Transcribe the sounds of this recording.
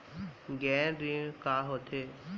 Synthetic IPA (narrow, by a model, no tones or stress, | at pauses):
ɡɛ̃ːɾikaːɦoːt̪ʰeː